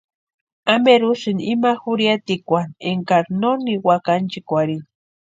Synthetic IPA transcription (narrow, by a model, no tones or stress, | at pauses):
ameɾusinimaxuɾjat̪ikʷaneŋkaɾnoniwakant͡ʃikʷaɾin